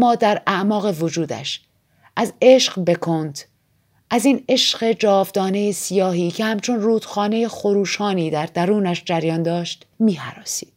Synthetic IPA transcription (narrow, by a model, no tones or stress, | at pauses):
mɒːd̪æɾæʔmɒːɣe̞vo̞d͡ʒuːd̪æ̰ʃ | ʔæze̞ʃɢbe̞kʰont̪ | ʔæziːne̞ʃɢe̞d͡ʒɒːvd̪ɒːne̞jesijɒːɦiːcʰe̞hæmt͡ʃʰo̞nruːd̪̥xɒːne̞jexo̞ɾuːʃɒːniːd̪æɾd̪æɾuːnæʃd͡ʒæɾjɒːnd̪ɒːʃt̪ | miːhæ̰ɾɒːsiːd̥̪